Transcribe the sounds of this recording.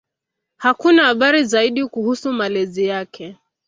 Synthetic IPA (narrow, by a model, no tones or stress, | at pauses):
hakunahːɓaɾizaiɗikuhusumalɛzijakʰɛ